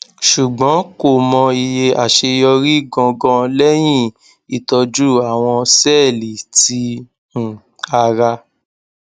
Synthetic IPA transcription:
ʃu˨ɡ͡bɔ̃˨˦ko˦˨mɔ̃˧i˧je˧a˨ʃe˧jɔ˧ɾi˦ɡɔ̃˧ɡɔ̃˦lɛ˦j̃ĩ˦˨ | i˨tɔ˧d͡ʒu˦a˦˨w̃ɔ̃˧sɛ˦˨li˨tĩ˧˦˨ | a˧ɾa˧

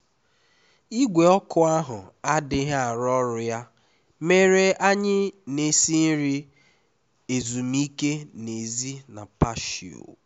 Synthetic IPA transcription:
i˦ɡʷe˨ɔ˦kʊ˦a˦ɦʊ˨a˦dɪ˦ɦa˨ɾɔ˦ɾʊ˨ja˦ | me˦ɾe˦a˦ɲɪ˦ne˦si˦n̩˦ɾi˦ | e˨zu˨m̩˦i˦ke˦ne˨zi˦na˨pa˦ʃḭ˨o̰˨

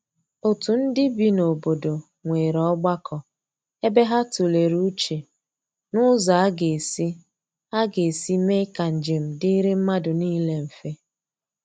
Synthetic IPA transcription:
o˨tu˨n̩˦dɪ˦bi˦no˨bo˨do˨ | ŋʷe˨ɾɔ˦ɡ͡ba˦kɔ˨ | e˦be˦ɦa˦tu˨le˨ɾu˦t͡ʃe˨ | nʊ˦za˨a˦ɡe˨e˨si˦ | a˦ɡe˨e˨si˦me˦ka˨n̩˨d͡ʒe˨m̩˨di˦ɾi˦m̩˦ma˦dʊ˨niː˦le˦m̩˨fe˦

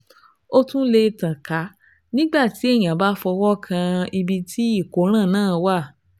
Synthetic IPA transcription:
o˦tũ˦le˧tã˨ka˨˦ | nĩ˦ɡ͡ba˦˨ti˨˦e˦˨j̃ã˨ba˦fɔ˧wɔ˦kʰã˧i˧bi˧tʰi˦i˦˨ko˨˦ɾ̃ã˦˨nãː˦˨˧wa˦˨

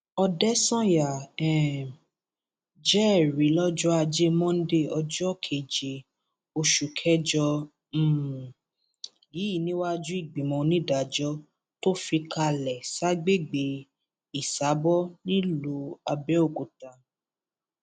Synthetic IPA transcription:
ɔ˧dɛ˦sɔ̃˦ja˨ɛ̃˨ | d͡ʒɛ˦˨ɾi˨˦lɔ˦d͡ʒɔ˦a˧d͡ʒe˦mɔ̃˦n̩˦de˦˨ɔ˧d͡ʒɔ˦kʰe˨d͡ʒe˨ | o˧ʃu˨kʰɛ˦d͡ʒɔ˧ | m̩̃˦ | ji˨˦i˨nĩ˦wa˦d͡ʒũ˦i˦˨ɡ͡bĩ˨mɔ̃˧nĩ˦da˨d͡ʒɔ˦ | to˦fi˧ka˧lɛ˨sa˦ɡ͡be˦˨ɡ͡be˨˦ | i˨sa˨˦bɔ˦nĩ˦lo˨˦a˧bɛ˦o˦˨ko˨ta˨

